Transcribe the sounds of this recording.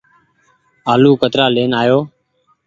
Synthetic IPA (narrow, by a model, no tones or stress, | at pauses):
aːluːkət̪ɾaːleːnaːjoː